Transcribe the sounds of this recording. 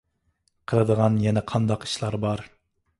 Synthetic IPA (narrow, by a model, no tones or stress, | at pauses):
qʰəlˠɨd̪əʁɑnjɛnɛqʰɑnd̪ɑqi̥ʃlˠɑɾbɑɾ